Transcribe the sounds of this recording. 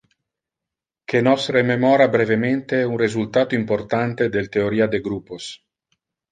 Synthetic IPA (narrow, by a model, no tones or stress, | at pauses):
kʰenɔsrememɔːɾabɾevement̪eunrezult̪aːt̪oimport̪ant̪ed̪elt̪eoɾiːad̪eɡɾupos